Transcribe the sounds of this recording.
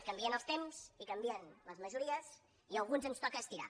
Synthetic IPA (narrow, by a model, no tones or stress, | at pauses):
kəmbiənəlˠst̪emz̥ikəmbiənləzməʒuɾiəs | iəlˠɣunzənst̪ɔkəːst̪iɾa̰